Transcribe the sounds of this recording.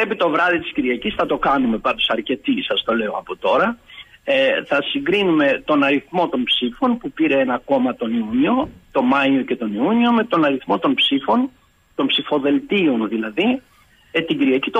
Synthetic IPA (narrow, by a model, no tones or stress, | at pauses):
epit̪o̞vɾɐðit̪isciɾʝiɐcisθɐt̪o̞kɐnume̞pɐnd̪osɐɾce̞t̪isɐst̪o̞le̞oɐpot̪o̞ɾɐeθɐsiŋɡɾinume̞t̪o̞nɐɾiθmo̞t̪o̞npsifo̞npupiɾe̞enɐko̞mɐt̪o̞niuɲio̞t̪o̞mɐio̞ce̞t̪o̞niuɲio̞me̞t̪o̞nɐɾiθmo̞t̪o̞npsifo̞n | t̪o̞mpsifo̞ðe̞lt̪io̞nðilɐði | t̪iɟiɾʝɐcit̪o